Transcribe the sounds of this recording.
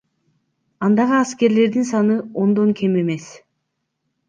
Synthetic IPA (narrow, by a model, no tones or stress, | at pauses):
ɑnd̪ɑʁɯɑske̞ɾle̞ɾd̪insɑnɯo̞nd̪o̞ŋkʲʰe̞me̞me̞s